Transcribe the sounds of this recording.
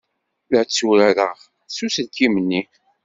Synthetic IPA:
lət͡sːuɾæɾəʁ | susəlkimənːi

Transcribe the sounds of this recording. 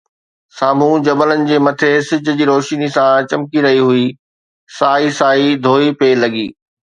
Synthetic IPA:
saːm̤ũd͡ʑɐbələnɪ̆d͡ʑeːmɐt̪ʰesɪd͡ʑʱʊ̆d͡ʑiːɾoːʃnisãt͡ɕɐmkiɾɐɦiɦui | saːisaːid̪ʱoːipeːlɐɡḭː

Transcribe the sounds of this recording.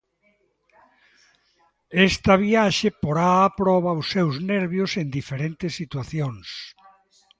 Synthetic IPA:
est̪ɐβiaʃepoɾaːpɾɔβawsːewzneɾβjosend̪ifeɾent̪esːit̪waθjoŋs

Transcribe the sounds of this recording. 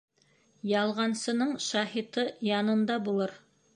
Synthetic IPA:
jɑlˠʁɑnsɤ̆nɤɴʃɑhit̪ɤjɑnɤ̆nd̪ɑbulˠɤɾ

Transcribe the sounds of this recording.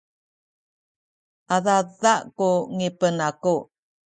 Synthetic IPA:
aðaðaʔkuŋipənaku

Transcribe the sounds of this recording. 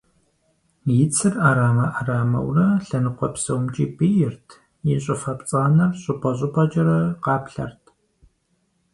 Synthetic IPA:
jɪt͡sʰɨraːɾaːmɐʔaraːmɐ̰wrɐɬɐnɨqʷɔpsɐwmt͡ʃʼiːbijɪrtʰ | jɪɕʼɪfɐpt͡sʼɐɐnɐrɕʼʊpʼɐɕ̬ʼʊpʰʼɐd͡ʒɐɾɐqɑːpɬɐ̰rtʰ

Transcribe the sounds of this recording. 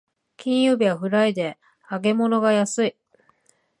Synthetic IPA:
kʲĩɰ̃jɯːbʲiβaɸɯ̟ɾaid̪e̞ | aɡe̞mo̞no̞ɡajasɨi

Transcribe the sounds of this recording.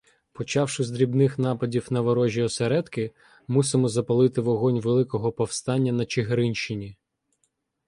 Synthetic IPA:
pɔt͡ʃɑwʃɪzd̪ɾʲibnɪxnɑpɐdʲiwnɐʋɐɾɔʒʲiɔseɾɛd̪kɪ | musɪmɔzɐpɐlˠɪt̪ɪʋɔɦɔnʲʋelˠɪkɔɦɔpɔwst̪ɑnʲːɐnɐt͡ʃɪɦeɾɪnʲʃt͡ʃɪnʲi

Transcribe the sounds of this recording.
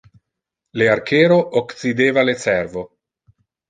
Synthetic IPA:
leaɾkʰeːɾoʔoksid̪eːvalet͡seɾvo

